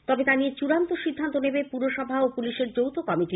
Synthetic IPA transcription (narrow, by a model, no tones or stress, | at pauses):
t̪ɔbet̪aniet͡ɕuɾant̪oʃid̪ʱːant̪onebepuɾoʃɔbʱaopuliʃeɾd͡ʑowt̪ʰokɔmiʈi